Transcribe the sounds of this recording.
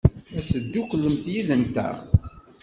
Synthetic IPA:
æsəd̪ːuklːəmt̪jiðənt̪æ̰

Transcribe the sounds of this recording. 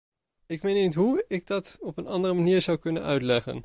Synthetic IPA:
ɪkmejnitɦuɪɡ̚dɑtɔpənɑndərəmaniːɹzʌwkɵnənœ̰ɥtlɛχə̰n

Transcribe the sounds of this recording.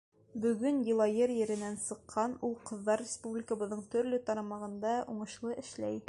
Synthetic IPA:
bɵ̆ɡɵnjɤ̆lˠɑjɤɾjɘ̆ɾɘ̆nænsɤ̆qʰːɑnulˠqɤ̆ðːɑɾrʲɪspublʲɪkə̆bɤ̆ðːɤɴt̪ɵ̆ɾlɵt̪ɑɾɑmɑʁɤ̆nd̪ɑʔuɴɤ̆ʃlˠɤʔɘ̆ʃlæj

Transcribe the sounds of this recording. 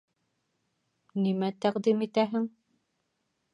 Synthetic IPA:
nimæt̪æqd̪imit̪æɦɘŋ

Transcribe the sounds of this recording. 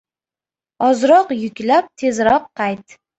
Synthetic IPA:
ɒzɾɒqjʊkʲlap̚t̪ʰe̞zɾɒqʰːɑjt̪

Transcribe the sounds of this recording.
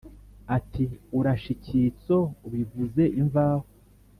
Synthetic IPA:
atʰiuɾaʃicʰit͡so̞uβivuze̞ʔiɱvaːho

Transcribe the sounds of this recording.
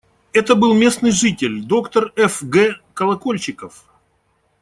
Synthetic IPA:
ɛt̪əbɨlˠmʲe̞snɨjʐɨtʲɪlʲd̪o̞kt̪ərɛfɡɛkəlˠɐkolʲt͡ɕɪkəf

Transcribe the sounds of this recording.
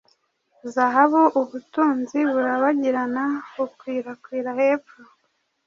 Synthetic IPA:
zaɦaβuʔuβutuːnziβuɾaβaɟiɾanaβukwiːɾakwiːɾaheːpu

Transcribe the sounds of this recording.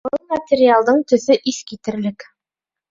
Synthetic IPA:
bɤlˠmɐtʲɪɾʲɪalˠd̪ɤɴt̪ɵ̆θɵʔiθkit̪ɘ̆ɾlɘk

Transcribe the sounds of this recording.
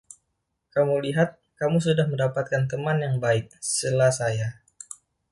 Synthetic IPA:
kamuliɦat̪̚kamusudahməndapat̪̚kant̪əmanjaŋbaɪk̚səlasaja

